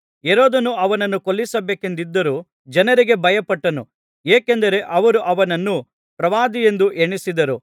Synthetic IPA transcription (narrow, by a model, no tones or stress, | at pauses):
eɾoːd̪ɐnuɐʋɐnɐnːukolːisɐbeːke̞nd̪id̪ːɐɾuː | d͡ʒɐnɐɾiɡe̞bɐjɐpɐʈːɐnu | eːkend̪ɐɾe̞ʔɐʋɐɾuʔɐʋɐnɐnːu | pɾɐʋaːd̪ije̞nd̪uʔeɳisid̪ɐɾu